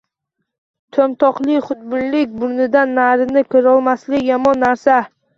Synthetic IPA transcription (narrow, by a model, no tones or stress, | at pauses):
t̪ʰomt̪ʰɒqlˠɪχʊt̪̚bʊnlɪkʲbʊɾnɪd̪anːaɾɪnɪkʰɪɾɒlˠmaslɪkʲjamɒnːaɾsa